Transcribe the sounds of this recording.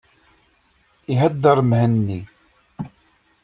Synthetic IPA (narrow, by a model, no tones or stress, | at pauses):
iɦæd̪ːəɾˤmhənːi